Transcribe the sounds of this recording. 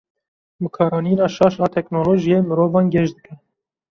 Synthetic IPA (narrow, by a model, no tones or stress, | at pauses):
mɨkʰɑːɾɑːniːnɑːʃɑːʃɑːt̪ʰɛknoːloːʒijeːmɨɾoːvɑːnɡɛʃd̪ɨkʰɛ